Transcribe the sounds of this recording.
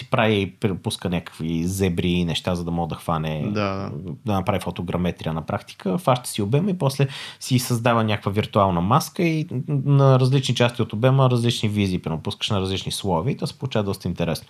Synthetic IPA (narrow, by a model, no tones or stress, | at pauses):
si̥pɾaviipɾpuskənʲakə̥kvizɛbɾiːnɛʃt̪azəd̪ɐmɔɡəd̪ɐxvanɛd̪ad̪ad̪ɐnɐpɾavifot̪oɡɾɐmɛt̪ɾʲiənɐpɾakt̪i̥kəfaʃt̪ə̥siobɛməipɔslɛsisɐzd̪avənʲakəkvəviɾt̪ualˠnɐmaskəinɐɾɐzlit͡ʃnit͡ʃast̪ʲiot̪obɛməɾɐzlit͡ʃniviziːpɾɛmupuskə̥ʃnɐɾɐzlit͡ʃnislˠɔviːt̪ɔsɛ̥polˠut͡ʃavəd̪ɔst̪əint̪ɛɾɛsnʊ